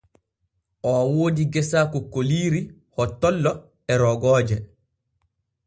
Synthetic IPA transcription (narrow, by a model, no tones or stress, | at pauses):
ʔɔawoːdiɡɛsakɔkoliːɾi | hɔtːɔlːɔ | ɛɾɔɡɔːd͡ʒɛ